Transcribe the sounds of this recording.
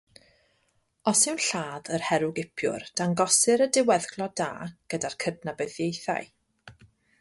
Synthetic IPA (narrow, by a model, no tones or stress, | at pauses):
ɔsɪwnɬaːðərhɛɾʊɡɪpʰjʊ̰rd̥aŋɡɔsɨɾədɪwɛðɡlˠɔda̰ːɡ̥ədarkʰədnabeðjejθa̰j